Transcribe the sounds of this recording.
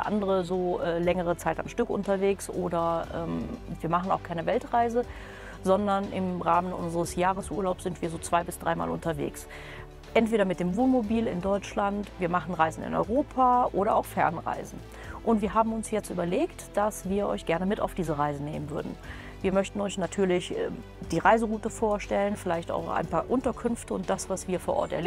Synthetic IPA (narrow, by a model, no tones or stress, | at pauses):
ʔa̰ndəʁəzoːʔɛːlɛŋəʁ̞ət͡saɪta̰nʃtʏkʔʊ̰ntɐveːksʔoːdɐʔɛ̰ːmviːɐmaχn̩a̰ʊxkʰaɪnəvɛltʁaɪzə | zɔndɐnɪmʁaːmənʔʊ̰nzəʁəsjaːʁəsʔṵːɐlaʊpsz̥ɪntv̥iːɐzoːt͡sv̥aɪbɪsd̥ʁaɪma̰ːlʊntɐvḛːks | ʔɛntv̥eːɾɐmɪt̚d̥eːmvuːnmobiːlɪ̰ndɔʏt͡ʃlantv̥iːɐmaχn̩ʁaɪzn̩ɪ̰nɔ̰ʏʁoːpʰaʔoːɾɐa̰ʊxfɛɐnʁa̰ɪzn̩ | ʔʊntv̥iːɐɦaːbm̩ʊnsjɛt͡stʔy̰ːbɐleːktd̥asv̥iːɐʔɔ̰ʏçɡ̥ɛɐnəmɪta̰ʊfd̥iːzəʁaɪzəneːmənvʏɐdn̩ | viːɐmœçtn̩ɔʏçnatʰyːɐlɪçʔɛ̰ː | d̥iːʁaɪzəʁuːtəfoːɐʃtɛlənfɪlaɪçta̰ʊxʔa̰ɪnpʰaːɐʔʊntɐkʰʏnftəʊ̰nt̚d̥asv̥asv̥iːɐfoːɐʔɔ̰ɐtɛɐle